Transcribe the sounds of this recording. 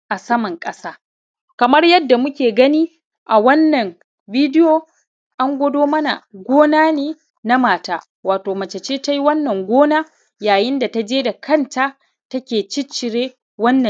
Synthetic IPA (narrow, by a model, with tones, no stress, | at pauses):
ʔa˨sɐ˦mɐ˨ŋkʼɐ˦saː˦ | kɐ˨mɐ˦rjɐ˦dːa˨mʊ˦kʲeː˨ɡɐ˦niː˦ | ʔa˨wɐ˦nːɐ˨m | biː˦dɪ˦joː˨ | ʔa˦ŋɡʷɐ˦doː˦mɐ˦na̰˨ɡʷoː˦naː˦neː˦ | na˦maː˨taː˦ | waː˨toː˨mɐ˨t͡ʃɐ˨t͡ʃeː˦ta˦ji˦wɐ˦nːɐ˨ŋɡʷoː˦naː˦ | jaː˨jɪ˦nda˨ta˦d͡ʒeː˦da˨kʰɐ˦˨nta˦ | tɐ˦kʲeː˨t͡ʃɪ˦t͡ʃːɪ˨ɽeː˦ | wɐ˦nːɐ˨